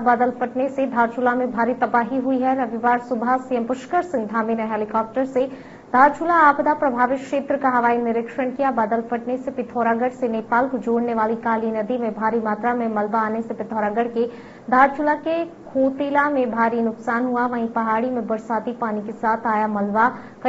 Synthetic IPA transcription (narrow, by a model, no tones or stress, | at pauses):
baːd̪əlpəʈnesed̪ʱaːɾt͡ʃʰʊlamẽbʱaːɾit̪ɐbaːɦiɦʊiɦɛɾɐʋɪʋaːɾsʊbʱasiːəmpʊʃkəɾsɪ̃ŋɡd̪ʱaːmiːnəɦɛːlɪkaːp̚ʈəɾse | d̪̥ʱaːɾt͡ʃʰʊlaaːpd̪apɾɐbʱaːʋɪtkʃeːt̪ɾəkaɦɐʋaːinɪɾɪkʃənkijabaːd̪əlpəʈnesepɪt̪ʰoːɾaːɡəɽseneːpaːlkod͡ʒoːɽneʋaːlikaːlinɐd̪imẽbʱaːɾimaːt̪ɾamẽmɐlbaaːnesepɪt̪ʰoːɾaːɡəɽke | d̪ʱaːɾt͡ʃʰʊlakekʰoːt̪iːlamẽbʱaːɾinʊksaːnɦuaʋɐɦĩpɐɦaːɽimẽbɐɽsaːt̪ipaːnikesaːt̪ʰaːjamɐlʋa | kɐ